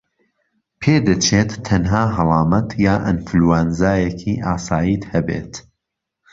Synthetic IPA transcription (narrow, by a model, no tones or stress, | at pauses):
pʰeːd̪ɐt͡ʃʰeːt̪ʰːɐnɦaːɦɨlˠɑːmɐt̪jaːʔɐ̰nflwaːnzaːjɛkʰiːʔaːsɑːjiːt̪hɐbḛːt̪